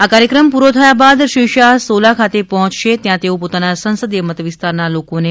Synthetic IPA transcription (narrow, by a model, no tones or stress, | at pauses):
akaɾjəkɾəmpuɾot̪ʰəjabad̪ʃiʃaɦsolakʰat̪epɔɦɔ̃t͡ʃʃet̪jãt̪eõpot̪anasə̃ñsəd̪ijəmət̪əʋist̪aɾnalokone